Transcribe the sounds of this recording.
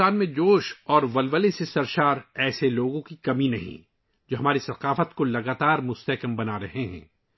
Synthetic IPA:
aːnmẽd͡ʒoːʃɔːɾʋɐlʋəlesesɐɾʃaːɾɛːseloːɡõkikɐminɐɦḭ̃ | d͡ʒoːɦɐmaːɾisɐqaːfət̪kolɐɡaːt̪aːɾmʊst̪ɛkəmbɐnaɾɐɦeɦɛ̰̃ː

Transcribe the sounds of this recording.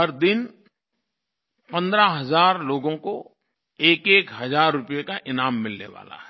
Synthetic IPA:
ɦɐɾd̪ɪn | pɐ̃nd̪ɾaɦɐzaːɾloːɡõko | eːkeːkɦɐzaːɾːʊpjekaʔɪnaːmːɪlnḛʋa̰ːla̰ɦɛ̥

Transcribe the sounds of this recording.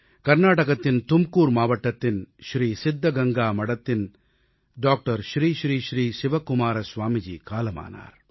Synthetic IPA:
kɐɾnaːʈɐkɐt̪ːint̪umkuːɾmaːʋɐʈːɐt̪ːinʃɾiːsid̪ʱːɐɡɐŋɡaːmɐɽɐt̪ːin | ɖaːk̚ʈɐɾʃɾiːʃɾiːʃɾiːʃiʋɐkumaːɾɐsʋaːmid͡ʒḭːkaːlɐma̰ːna̰ːɾ

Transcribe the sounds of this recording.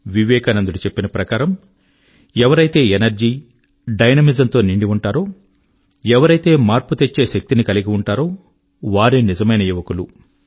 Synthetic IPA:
ʋiʋɛːkɐnɐnd̪uɽut͡ʃe̞pːinɐpɾɐkaːɾɐm | ɛʋɐɾɐjt̪e̞ːenɐɾd͡ʒiː | ɖɐjnɐmid͡ʒɐnt̪o̞ːniɳɖiuɳʈaːɾo̞ː | ɛʋɐɾɐjt̪e̞ːmaːɾput̪e̞t͡ʃːe̞ːʃɐk̚t̪inikɐliɡiuɳʈaːɾo̞ː | ʋaːɾenizɐmɐjnɐjiʋɐkulu

